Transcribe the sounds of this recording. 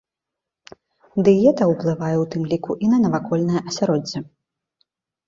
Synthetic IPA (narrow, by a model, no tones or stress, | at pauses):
d̪ɨjɛt̪ɐwplˠɨvajɛwt̪ɨmlʲikuʔinɐnɐvakɔlʲnɐjɐʔɐsʲaɾɔd͡zʲːɛ